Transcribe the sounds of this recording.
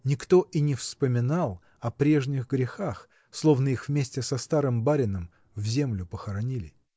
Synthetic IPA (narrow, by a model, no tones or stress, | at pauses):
nʲɪkt̪o̞ʔinʲɪfspəmʲɪnalˠ | ɐpɾʲe̞ʐnʲɪɣɡɾʲɪxax | slˠo̞vnəixvmʲesʲtʲɪsɐst̪aɾɨmbaɾʲɪnəm | vzʲe̞mlʲʊpəxəɾɐnʲilʲɪ